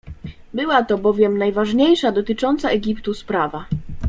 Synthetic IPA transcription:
bɘwat̪ɔbɔvʲjɛmnajvaʐɲejʂad̪ɔt̪ɘt͡ʂɔnt̪saɛɡʲipt̪uspɾava

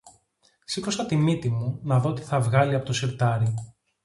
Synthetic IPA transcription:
sikosɐt̪imit̪imunɐðo̞ot̪i̥θɐvɣɐliɐpo̞t̪osiɾt̪ɐɾi

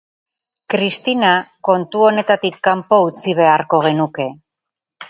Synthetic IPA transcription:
kɾist̪inako̞nt̪uo̞ne̞t̪at̪ikːampo̞ut͡siβ̞e̞aɾko̞ɣ̞e̞nuke̞

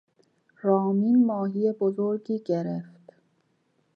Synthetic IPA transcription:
ɾɒːmiːnmɒːɦijebozoɾɡiːɟeɾeft̪

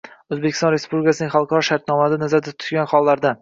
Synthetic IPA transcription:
ɵzbekʲɪst̪ɒnɾe̞spublʲɪkʲasɪnɪŋχɑlˠqʰɑɾɒʃaɾt̪nɒmad̪anazaɾd̪at̪ʰʊ̥t̪ɡʲanχɒlˠːaɾd̪a

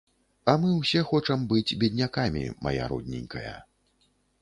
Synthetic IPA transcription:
ɐmɨwsʲɛxɔt͡ʂɐmbɨd͡zʲbʲɛd̪ʲnʲakamʲḭma̰ja̰ɾṵd̪ʲnʲɛnʲkɐjɐ̰

